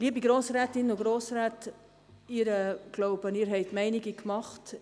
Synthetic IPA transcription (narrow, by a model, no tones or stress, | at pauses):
liəbiɡɾoːsɾɛːtɪnʊɡɾoːsɾɛːt | iːɾəɡ̥loʊbəniːɾɦɛɪtmɛɪniɡikmɑχt